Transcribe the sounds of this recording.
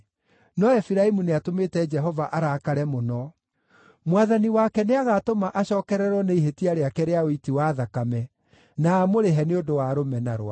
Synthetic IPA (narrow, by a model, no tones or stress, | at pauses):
nɔɛfiɾaemuneatomeːtɛd͡ʒɛɦɔvaʔaɾakaɾɛmonɔ | mwaðaniwakɛneaɣatomaʔaɕɔːkɛɾɛɾwɔneiɦetiaɾeakɛɾeaoitiwaðakamɛ | naːmoɾeɦɛneodowaɾomɛnaɾwa̰